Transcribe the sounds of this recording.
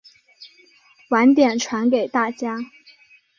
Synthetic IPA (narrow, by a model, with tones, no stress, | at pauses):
wa˧˥nt̪jɛ˨˩nʈ͡ʂʰwa˧˥nke˨˩ɪt̪a˥˩t͡ɕja˥